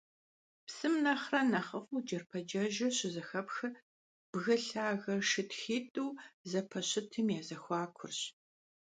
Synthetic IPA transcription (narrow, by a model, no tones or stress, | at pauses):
psɨmnɐχrɐnɐχəfuːd͡ʒɐrpʰɐd͡ʒɐʒɐɕɪzɐxɐpxɨ | b̥ɣɐɬaːɣɐʂɨtxiːtʼuwzɐpʰɐɕɪtʰɨmjaːzɐxʷɑːkʷʰʊrɕ